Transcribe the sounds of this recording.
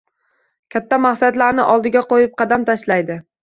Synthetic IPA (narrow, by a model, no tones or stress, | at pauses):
kʲʰat̪ːamaχsad̪laɾnɪʔɒlˠd̪ɪɡʲaqojɪp̚qʰɑd̪amt̪ʰaʃlajd̪ɪ